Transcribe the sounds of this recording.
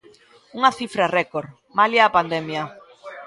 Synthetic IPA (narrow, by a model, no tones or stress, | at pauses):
uŋaθifɾarɛkoɾ | maljapand̪ɛmja